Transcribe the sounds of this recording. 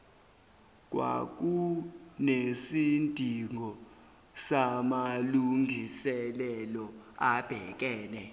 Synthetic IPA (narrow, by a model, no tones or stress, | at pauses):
k̬ʼwa̰k̬unesintʼiŋʱɔ | samaluŋɡʱisɛlɛlɔab̥ʱɛk̬ʼɛːnɛ